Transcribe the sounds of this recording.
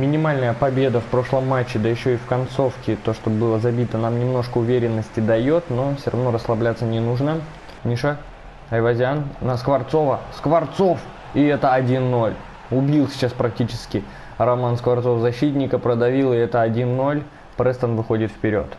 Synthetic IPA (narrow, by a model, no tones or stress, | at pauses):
mʲɪnʲɪmalʲnəjəpɐbʲe̞d̪əfpɾo̞ʂlˠəmːat͡ɕːɪd̪əjɪɕːo̞ifkɐnt̪so̞fkʲɪt̪o̞ʂt̪o̞bɨlˠəzɐbʲit̪ənamnʲɪmno̞ʂkəʊvʲeɾʲɪnːəsʲtʲɪd̪ɐjo̞t̪no̞fsʲorɐ̰vno̞ɾəslˠɐblʲat̪sːənʲɪnuʐnə | nʲiʂa | ɐjvɐzʲannəskvɐrt̪so̞vəskvɐrt̪so̞f | ɪɛt̪əɐdʲinːo̞lʲ | ʊbʲilˠsʲɪ̥t͡ɕaspɾɐk̚tʲit͡ɕɪskʲɪ | ɾɐmanskvɐrt̪sofzɐɕːit̪ʲnʲɪkəpɾəd̪ɐvʲilˠɨɪɛt̪əɐdʲinːo̞lʲ | pɾɛst̪ənvɨxo̞dʲɪt̪fpʲɪɾʲo̞̰t̪